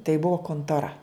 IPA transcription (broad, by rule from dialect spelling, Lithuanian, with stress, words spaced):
tɐɪ ˈbuɔ koːntoːˈrɐ